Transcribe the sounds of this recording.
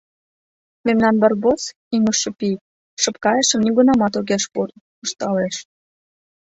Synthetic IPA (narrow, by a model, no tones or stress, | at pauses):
memnɑnbɑrbot͡s | iməʃepik̚ | ʃəpkɑjəʃə̆mniɡunɑmɑt̪oɣeʃpurn | əʃt̪ɑleʃ